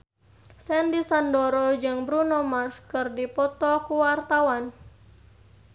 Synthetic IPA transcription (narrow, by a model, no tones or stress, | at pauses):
sɛndisandoɾɔd͡ʒɨŋbɾunɔmarskɨrdipɔt̪ɔkuwart̪awan